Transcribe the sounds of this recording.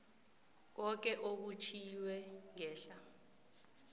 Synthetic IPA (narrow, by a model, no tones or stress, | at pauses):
k̬ɔk̬ɛʔok̬ut͡ʃʰiwɛŋɛːɬa